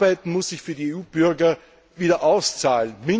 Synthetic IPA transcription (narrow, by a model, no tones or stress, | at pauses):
baɪtn̩mʊsz̥ɪçfyːɐdieuːb̥ʏɐɡɐ | viːdɐʔaʊst͡saːlənmɪ